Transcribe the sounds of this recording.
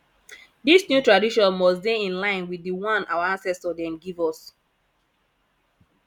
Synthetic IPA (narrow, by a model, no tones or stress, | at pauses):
disnjutɹadiʃɔ̃nmɔsdeĩnlãɪ̃nwiðiwɔ̃nawaãnsɛstɔdɛ̃mɡivɔs